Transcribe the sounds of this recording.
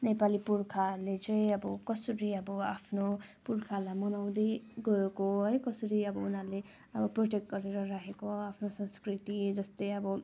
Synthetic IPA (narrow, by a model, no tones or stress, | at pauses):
nepalipurkʰalet͡sʌĩʌbʌkʌsʌɾiʌbʌapʰnopurkʰalamʌnaw̃d̪ʌjɡʌekoɦʌjkʌsʌɾiʌbʌunɦaɾle | ʌbʌproʈek̚ʈ̚ɡʌɾeɾʌɾaɦekoapʰnosʌ̃nskrit̪id͡zʌst̪ʌjʌbʌ